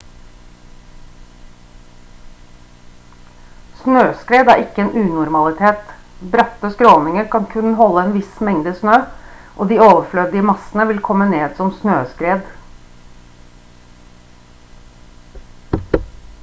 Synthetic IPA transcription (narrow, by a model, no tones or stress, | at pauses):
snøːskɾeːd̪æ̰ːɾʔɪkːəeːnʔʉːnʊɾmɑlɪt̪ʰeːt̪bɾɑt̪ːəskɾoːlnɪŋəɾkʰɑnkʰʉnːəɦɔlːəɛːnʋɪsmɛŋd̪əsnøːʔoːd̪iːoːʋəflœd̪ɪəmɑsənəʋɪlkʰɔmːəneːd̪sɔmsnøːskɾeːd̪